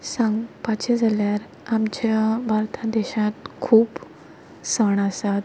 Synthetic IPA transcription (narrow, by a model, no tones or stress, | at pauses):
sãŋɡpat͡ɕed͡zʱaljaɾ | amt͡ɕjabʱaɾt̪ʰad̪ɛɕãt̪kʰuːp | səɳasat̪